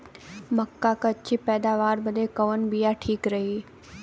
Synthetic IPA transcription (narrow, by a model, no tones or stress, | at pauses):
mɐkːakɐt͡ɕʰipɛːd̪aːʋaːɾbɐd̪ekɐʋən̆bijaʈʰiːkɾɐɦi